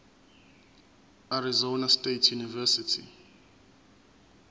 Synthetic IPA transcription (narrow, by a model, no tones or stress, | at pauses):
aɾizonastʼetʰjunivɛsitʰḭ